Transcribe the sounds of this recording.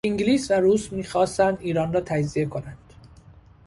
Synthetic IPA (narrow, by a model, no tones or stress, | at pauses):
iŋɡliːsvæɾuːsmiːxɒːst̪ænd̪iːɾɒːnrɒːt̪ʰæd͡ʒzie̞kʰo̞nænd̪̥